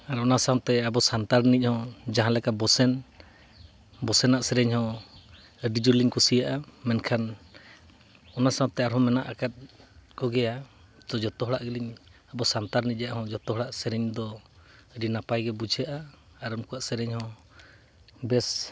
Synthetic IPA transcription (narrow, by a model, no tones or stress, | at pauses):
aɾɔnasawt̪ɛabɔsant̪aɾnic̚hɔ̃d͡ʒaɦãlɛkabɔsɛn | bɔsɛnaʔsɛɾɛɲhɔ̃ | ɖid͡ʒuliɲkusijaʔamɛnkʰan | ɔnasãwt̪ɛaɾɦɔ̃mɛnaʔakat̪̚ˀkɔɡɛja | t̪ɔd͡ʒɔt̪ɔɦɔɽaʔɡiliɲabɔsant̪aɾnic̚ˀjaʔhɔ̃d͡ʒɔt̪ɔɦɔɽaʔsɛɾɛɲd̪ɔ | ɾinapajɡɛbud͡ʒʱjaʔaː | ɾunkuwaʔsɛɾɛɲhɔ̃ | bɛs